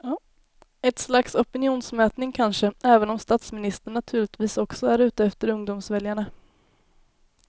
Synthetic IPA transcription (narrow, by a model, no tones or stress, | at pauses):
ɛt̪slaksɔpɪnɪuːnsmɛːt̪nɪŋkʰanʂəɛːvənɔmst̪aːt̪smɪnɪst̪əɳːat̪ʰʉ̟ːɭɪɡt̪viːsɔksɔæɾʉ̟ːt̪əɛft̪əɾɵŋd̪ʊmsvɛljaɳa